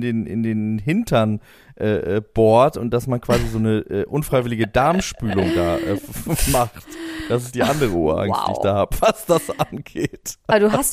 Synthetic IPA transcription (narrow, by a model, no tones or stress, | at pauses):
deːnɪ̰ndeːnɦɪntʰɐn | ʔɛːʔɛːb̥ɔɐtʊnt̚d̥asmankv̥aːzizoːnəʔɛːʔʊnfʁ̥aɪvɪlɪɡədaɐmʃpyːlʊŋda̰ːʔɛ̰ːmaχtd̥asɪstd̥iːʔandəʁəʔuːɐʔa̰ŋstd̥ḭːɪçd̥aːhaːbəvasd̥asʔanɡeːtbɐduːɦas